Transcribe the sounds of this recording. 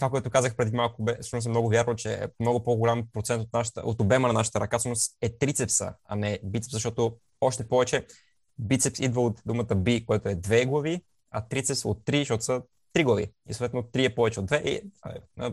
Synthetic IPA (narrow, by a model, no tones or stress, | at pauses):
t̪vakoɛt̪ʊkazəxpɾɛd̪imalˠkʊbɛsɨʃnos̬ɛmnɔɡʊvʲjaɾnot͡ʃɛ̰mnɔɡʊpoɡʊlʲampɾotsɛnt̪ot̪naʃə̥t̪ə̰o̰t̪obɛmənɐnaʃə̥t̪əɾɐkafsəʃnosɛt̪ɾit̪sɛpsə̰ɐ̰nɛbit̪sɛpszɐʃt̪ɔt̪o | ɔʃt̪ɛpɔvɛt͡ʃɛ | bit̪sɛpsid̪vəot̪d̪umət̪əbikojat̪ʊɛd̪vɛɡlˠɐvi | ɐt̪ɾit̪sɛpsot̪ːɾiʃt̪ɔt̪ʊ̥sə | t̪ɾiɡlˠɐvḭisot̪ɛt̪not̪ːɾiɛpɔvɛt͡ʃɛod̪vɛʔḭə̰